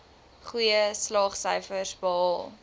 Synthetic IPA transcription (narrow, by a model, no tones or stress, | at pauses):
χujəslɑːχsəjfərsbəɑːlˠ